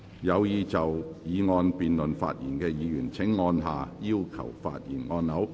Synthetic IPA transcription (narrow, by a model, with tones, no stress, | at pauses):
jɐ˨˧wjiː˨˧t͡sɐ˨wjiː˨˧ŋɔː˧npiː˨nlɵ˨˩nfa̰ː˧t̚jiː˨˩nkɛː˧jiː˨˧jyː˨˩nt͡sʰɪ˨˥ŋːɔː˧nɦaː˨jiː˥wkʰɐ̰˨˩wfa̰ː˧t̚jiː˨˩nŋɔː˧nːɐ˨˥w